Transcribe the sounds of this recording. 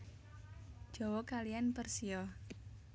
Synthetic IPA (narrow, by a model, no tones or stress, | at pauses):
ʒ̥ɔwɔkalijanpərsiɔ